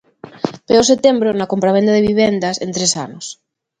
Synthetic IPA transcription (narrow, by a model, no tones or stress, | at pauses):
peos̬et̪embɾonakompɾaβend̪aðeβiβend̪asent̪ɾesa̰nos